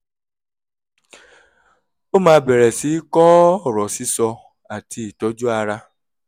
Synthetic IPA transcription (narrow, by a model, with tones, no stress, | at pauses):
o˦mãː˧˦bɛ˨ɾɛ˨si˨˦kɔ˦ɔ˦˨ɾɔ˨si˦sɔ˧ | a˨tʰi˧˦i˨tɔ˨˦d͡ʒu˦a˧ɾa˧